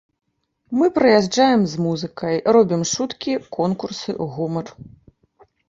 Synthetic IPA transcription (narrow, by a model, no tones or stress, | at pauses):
mɨpɾɐjaʐd͡ʐajɛmzmuzɨkʰɐjrɔbʲimʂut̪kʲikʰɔnkursɨ̰ɣumɐr